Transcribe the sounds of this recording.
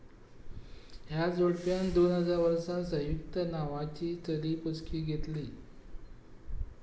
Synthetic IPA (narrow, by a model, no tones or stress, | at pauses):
ɦjad͡zoɽpjand̪onɦəd͡zaʋəɾʂãsə̃jukt̪ənaʋat͡ɕiːt͡səliːput͡skʰiːɡʱet̪li